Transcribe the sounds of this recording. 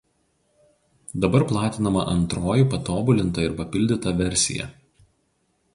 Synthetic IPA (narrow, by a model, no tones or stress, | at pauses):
d̪ɐbɐɾplˠɑːt̪ʲɪnɐmɐʔɐnt̪ɾoːjupɐt̪oːbʊlʲɪnt̪ɐɪɾpɐpʲɪlʲd̪ʲɪt̪ɐʋʲɛɾʲsʲɪ̰jɛ̰